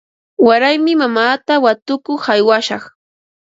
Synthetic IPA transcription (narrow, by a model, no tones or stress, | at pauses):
waɾajmɪmamaːt̪awat̪ʊkʊχajwaʃɑχ